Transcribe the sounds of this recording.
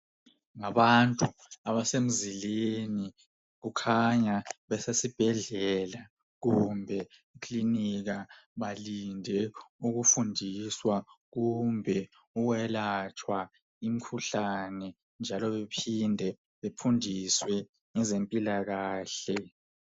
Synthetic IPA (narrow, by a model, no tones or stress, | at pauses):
ŋaβantʼuaβasem̩zileni | ɣukʰaɲaβɛsesib̥ʱɛɮɛɛla | ɣumbʱɛ | ikʰʼliniɣaβalindʱɛuɣufundʱiswaɣumbʱɛ | uwɛlat͡ʃʰʼwa | imikʰuɬanɛ | nd͡ʒʱalɔβepʰindʱɛ | βepʰundʱiswɛ | ŋɛzempʼilaɣaːɬɛ